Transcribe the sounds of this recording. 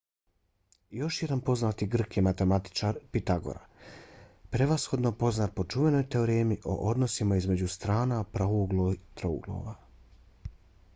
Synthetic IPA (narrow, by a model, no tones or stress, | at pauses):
jo̞ʃjed̪anpo̞znaːt̪iɡr̩kjemat̪e̞mat̪i̥t͡ʃaːɾpit̪aɡo̞̰ɾa̰ | pɾe̞ʋasxo̞d̪no̞po̞znaːt̪̚po̞t͡ʃuʋe̞no̞jt̪e̞o̞ɾeːmiʔo̞̰ʔod̪no̞simaizme̞d͡ʑust̪ɾaːnapɾouɡt̪ɾoṵɡlˠo̰ʋa